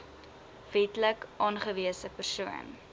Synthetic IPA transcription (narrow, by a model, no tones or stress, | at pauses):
vɛtləkʔɑːnχəviəsəpərsuə̰n